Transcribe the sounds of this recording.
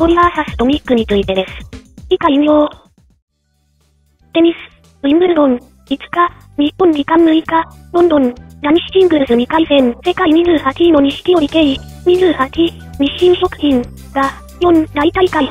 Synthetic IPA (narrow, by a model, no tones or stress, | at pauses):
toɾːasasɨ̥t̪o̞mʲikːɯ̟ɲ̟it͡sɨit̪e̞d̪e̞sɨ̥ikaimjo | t̪eɲis | imɯɾd̪õn | it͡sɨ̥ka | ɲipːõnːikamːɯ̟ikanond̪õnnaɲʲiɕi̥t͡ɕĩŋɡɯɾɯzɨɲʲikaizẽ̞nse̞kaimʲizɨhat̪ʲinoɲiɕi̥kʲioikeimʲizɨhat̪ʲi | mʲiɕːĩɰɕokɯ̟̥çĩŋ | ɡa | jʲõnnait̪aikai